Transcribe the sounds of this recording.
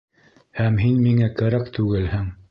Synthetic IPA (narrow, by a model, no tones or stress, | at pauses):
hæmɦinmiŋækæɾækt̪ʉɡɘlhɘŋ